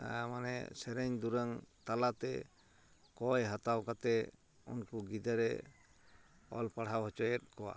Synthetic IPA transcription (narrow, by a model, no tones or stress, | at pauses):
manɛ̰sɛɾɛɲd̪uɾaŋt̪alat̪ɛ | kɔjɦat̪awkat̪ɛ | ṵnkuɡid̪aɾɛ | ɔ̰lpaɽɦawɦɔt͡ʃɔjɛt̪̚kɔwa̰